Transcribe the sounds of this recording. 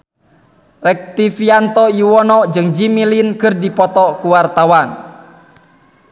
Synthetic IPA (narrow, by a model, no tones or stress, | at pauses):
rɛk̚t̪ifiant̪ɔjiwɔnɔd͡ʒɨŋd͡ʒimilinkərdipɔt̪ɔkuwart̪awan